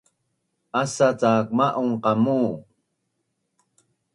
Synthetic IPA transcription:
asat͡saːk̚maʔuŋqɑmuː

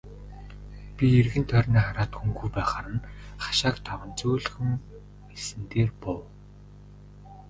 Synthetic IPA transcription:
pʲierɣɘ̆nt̪ʰœrʲniːχaɾaːt̪xuŋɡujpæːχaɾə̆nχḁʃaːkt̪ʰawə̆nt͡suːɮxɘ̆m | esɘ̆nt̪eːrpɔw

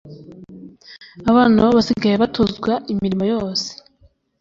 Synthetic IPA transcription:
aβaːnaβasiɡajeβatozɡwaʔimiɾimajo̞ːse̥

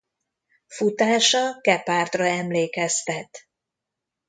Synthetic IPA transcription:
fut̪aːʃɒkɛpaːrt̪rɒɛmleːkɛst̪ɛt̪

